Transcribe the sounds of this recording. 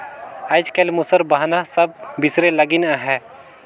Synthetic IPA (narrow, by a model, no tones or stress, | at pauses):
əɪd͡ʒkelmusəɾbəɦnasəb̚bɪsɾeləɡɪnɦɛ